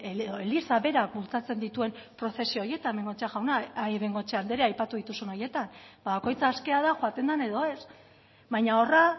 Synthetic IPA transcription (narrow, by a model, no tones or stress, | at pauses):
eðoelisaβe̞ɾak̚bult͡sat͡se̞nd̪it̪ue̞mpɾo̞θe̞sioje̞t̪aeme̞ŋɡo̞t͡ʃeaɣawnaeme̞ŋɡo̞t͡ʃeand̪eɾeajpat̪uðit̪usuno̞je̞t̪anbaβako̞jt͡saːske̞aðaxoat̪e̞nd̪ane̞ðo̞e̞s | βajɲao̞ra